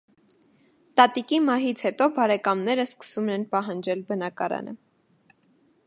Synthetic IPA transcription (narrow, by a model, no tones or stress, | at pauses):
t̪ɑt̪ikimɑɦit͡sʰhɛt̪ɔbɑɾɛkɑmnɛɾəskə̥sumɛnpɑɦɑnd͡ʒɛlbənɑkɑɾɑ̰nʔə̰